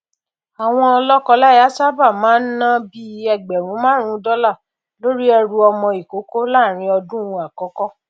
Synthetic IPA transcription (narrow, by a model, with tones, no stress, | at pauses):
a˨w̃ɔ̃˧ɔ˧lɔ˦kɔ˧la˦˨ja˦sa˦ba˦˨mãː˨˦n̩˦nã˦bi˦ɛ˧ɡ͡bɛ˨ɾ̃ũ˨˦mãː˦ɾ̃ũ˨˦dɔ˦la˦˨ | lo˦ɾi˦ɛ˧ɾu˧ɔ˧mɔ̃˧i˨ko˨˦ko˦la˦˨ɾ̃ĩ˧ɔ˧dũ˦ũ˧a˨kɔ˨˦kɔ˦